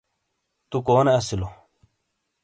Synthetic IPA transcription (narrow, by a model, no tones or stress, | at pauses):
t̪ukoːneɐsilo